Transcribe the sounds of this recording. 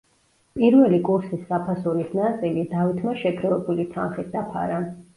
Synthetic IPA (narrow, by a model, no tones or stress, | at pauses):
pʼiɾvɛlikʼuɾsisːapʰasuɾisnat̪sʼilid̪avit̪ʰmaʃɛkʰɾɔvɛbulit̪ʰanχit̪̚d̪apʰa̰ɾa